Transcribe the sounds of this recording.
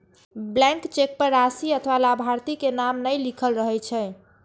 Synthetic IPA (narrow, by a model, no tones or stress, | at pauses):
blɛ̃ŋkt͡ʃek̚pəɾːasiət̪ʰʋalabʱaɾt̪ikenamnəjlikʰəlɾəɦɛjt͡ʃʰɛ